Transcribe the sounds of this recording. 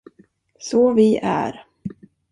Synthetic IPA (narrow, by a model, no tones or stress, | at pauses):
sɔːvɪʔæ̰ɾ